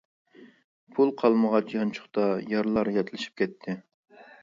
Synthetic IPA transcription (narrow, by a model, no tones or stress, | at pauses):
pʰulˠqʰɑlˠməʁɑt͡ʃʰjɑnt͡ʃʰʊ̥χt̪ɑjɑɾlˠɑɾjɛt̪ʰlˠɪʃi̥p̚kʲʰɛt̪ʰːɪ